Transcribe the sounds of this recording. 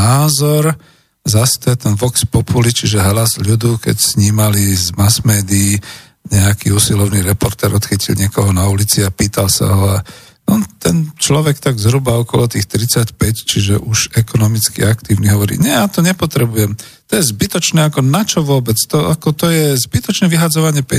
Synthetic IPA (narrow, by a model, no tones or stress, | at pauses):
aːzɔɾ | zast̪ɔjɛt̪ɛnʋɔkspɔpulit͡ʃiʒɛɦlazʎud̪ukɛ̰csɲiːmalizmasmɛːd̪iː | ɲɛakiusilɔʊniɾɛpɔɾt̪ɛɾɔt̪xicilɲɪɛkɔɦɔnaulit͡siapiːt̪alsa̰ɦɔa | ɔt̪ɛnt͡ʃlɔʋɛkt̪aɡzɦɾubaɔkɔlɔt̪iːxt̪ɾit͡sacpɛct͡ʃiʒɛ̰ʔuʒɛkɔnɔmit͡skḭakt̪iːʊniɦɔʋɔɾḭɲɛjaːt̪ɔɲɛpɔt̪ɾɛbujɛm | t̪ɔjɛzbit̪ɔt͡ʃnɛakɔnat͡ʃɔʋʊɔbɛt͡st̪ɔakɔt̪ɔjɛzbit̪ɔt͡ʃnɛʋiɦad͡zɔʋaɲɪɛpɛ